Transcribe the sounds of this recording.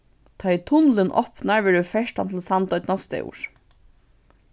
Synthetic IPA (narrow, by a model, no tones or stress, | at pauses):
t̪ʰat̪ʰʊnlɪnʔɔ̰pnaɹʋɛːɹɪfɛʂʈa̰nt̪ʰɪlsant̪ɔʏt̪nɔst̪ɛ̰ṵːʃ